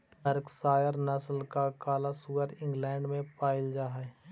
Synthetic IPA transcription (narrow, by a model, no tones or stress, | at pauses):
t̪əɾksaːjəɾnəsəlkakaːlasuːəɾɪ̃ŋɡlɛ̃ːɳɖmẽpaːɪld͡ʒaːɦɛ